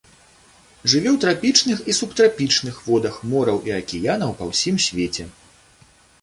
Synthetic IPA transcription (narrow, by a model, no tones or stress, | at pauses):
ʐɨvʲɛwt̪ɾapʲit͡ʂnɨxisupt̪ɾapʲit͡ʂnɨxvɔd̪ɐxmɔɾɐwʔiɐkʲijanɐwpɐwsʲimsʲvʲet͡sʲɛ